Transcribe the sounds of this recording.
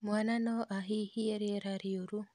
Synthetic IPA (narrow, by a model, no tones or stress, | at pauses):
mwananoʔaɦihieɾeɾaɾioɾu